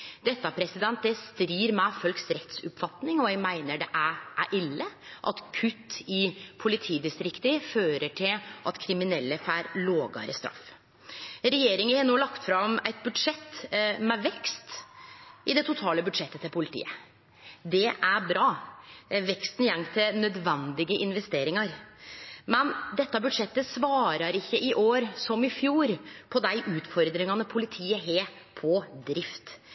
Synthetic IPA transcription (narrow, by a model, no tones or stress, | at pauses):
d̪̥ɛt̪ːɑpʰɾɛsɪd̪ɛnt̪̚d̪ɛst̪ɾiːɾmɛfœlksɾɛt̪sʊpfɑt̪nɪŋɔæmæɪnəɖɛʔæʔæɾʔɪlːəʔɑ̰t̪kʰʉt̪ːɪpʰʊlɪt̪ʰiːd̪ɪst̪ɾɪkt̪əføːɾəʈʰɪlʔɑt̪kʰɾɪmɪnɛlːəfæːɾloːɡɑ̰ɾəst̪ɾɑ̰f | ɾɛjeːɾɪŋɪhɛnoːlɑkt̪fɾɑmæɪt̪̚bʉd̪ʂɛt̪mɛʋɛkst̪ | ɪd̪ɛt̪ʰʊt̪ʰɑːləbʉd̪ʂɛt̪ːət̪ʰɪlpʰʊlɪt̪ʰḭːə̰ | d̪ɛʔæɾbɾɑː | ʋɛkst̪n̩jɛŋːt̪ʰɪlnœd̪ʋɛnd̪ɪɡəʔɪnʋɛst̪eːɾɪŋɑɾ | mɛnd̪ɛt̪ːɑbʉd̪ʂɛt̪ːəsʋɑːɾɑɾɪçːəʔɪʔoːɾsɔmɪfjuːɾpʰɔd̪æɪʔʉːt̪fɔɾd̪ɾɪŋɑnəpʰʊlɪt̪ʰiːəɦeː | pʰɔd̪ɾɪft̪